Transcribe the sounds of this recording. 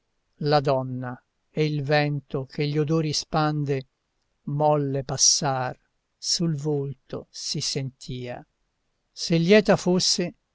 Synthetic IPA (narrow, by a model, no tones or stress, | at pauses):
lad̪ɔnːa | eilvɛnt̪okʰeʎːiod̪oːɾispand̪e | mɔlːepasːar | sulvolt̪o̰sisent̪ʰiːa̰ | selːjɛːt̪afosːe